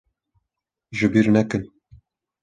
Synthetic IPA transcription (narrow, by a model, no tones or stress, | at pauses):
ʒɨbiːɾnɛkɨn